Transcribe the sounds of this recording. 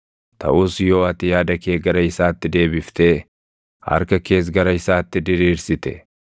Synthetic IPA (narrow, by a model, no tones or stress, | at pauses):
t̪ɐ̰ʔuːsjo̞ːɐt̪ɪjaːd̪ɐke̞ːɡɐɾɐɪsaːt̪ːɪd̪e̞ːbɪft̪e̞ː | hɐ̰ɾkɐke̞ːs̬ɡɐɾɐɪsaːt̪ːɪd̪ɪɾiːɾsɪt̪ɛ̰